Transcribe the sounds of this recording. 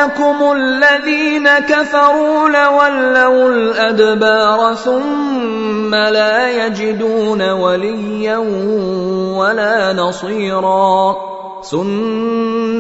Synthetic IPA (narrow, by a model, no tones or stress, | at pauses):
akʊmʊllːaðiːnakafɑɾˤuːlawalːawlʔad̪bɑːɾˤθʊmː | alaːjad͡ʒɪd̪uːnawalɪjːan | walaːnɑsˤiːɾˤɑː | θʊn